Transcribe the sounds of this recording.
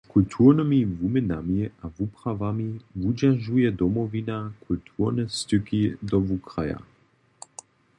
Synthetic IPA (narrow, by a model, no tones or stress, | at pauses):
kult̪ʰuʁnəmivumənamiavupʁavamivud͡ʒaʒujɛd̪ɔmɔvinakʰult̪ʰuʁnɛst̪ʏkid̪ɔvukʁaja̰